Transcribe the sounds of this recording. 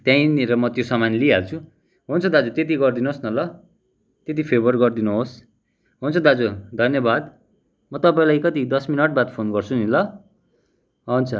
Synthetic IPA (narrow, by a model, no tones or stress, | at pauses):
t̪jãĩɾʌmʌt̪josʌmanliɦalt͡sʰu | ɦunt͡sʰʌd̪ad͡zut̪et̪̬iɡʌrd̪inosnʌlʌ | t̪et̪̬ipʰebʌrɡʌrd̪inuɦos | ɦunt͡sʰʌd̪ad͡zud̪ʱʌnjʌbad̪ | mʌt̪ʌpaĩlajkʌt̪id̪ʌsminʌʈ̚bat̪pʰonɡʌrt͡sʰunilʌ | ɦʌunt͡sʰʌ